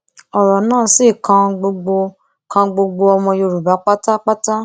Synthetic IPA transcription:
ɔ˨ɾɔ˨nãː˦˨˦si˦˨kã˧ɡ͡bo˧ɡ͡bo˧ | kã˧ɡ͡bo˧ɡ͡bo˧ɔ˧mɔ̃˧jo˧ɾu˨ba˨˦k͡pa˦ta˦k͡pa˦ta˦

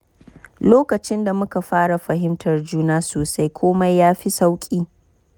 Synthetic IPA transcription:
loː˦kɐ˨t͡ʃɪ˦nda˨mʊ˦ka˨ɸaː˦ɽa˨ɸɐ˨ɦɪ˦mtʰɐ˨rd͡ʒuː˦naː˦soː˨sa˦jkʷʰoː˦ma˦jːaː˦ɸi˦sa˦wkʲʼiː˦

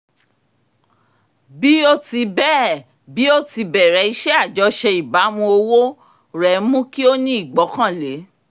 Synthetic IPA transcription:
bi˦o˦ti˧bɛː˦˨ | bi˨˦o˦ti˧bɛ˨ɾɛ˨˦i˧˦ʃɛ˦a˦˨d͡ʒɔ˨˧ʃɛ˧i˨ba˨˦mũ˧o˧wo˦ | ɾɛ˨mũ˦ki˦o˦nĩ˦i˦˨ɡ͡bɔ˨˦kã˦˨le˨˦

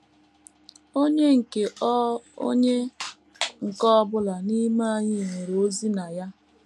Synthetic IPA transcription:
o˦ɲe˦ŋ̩˨ke˨ʔɔ˦o̰˦ɲe˦ | ŋ̩˨kɔ˦bʊ˦la˨ni˦ma˦a˦ɲɪ˦˨me˨ɾo˦zi˦na˨ja˦

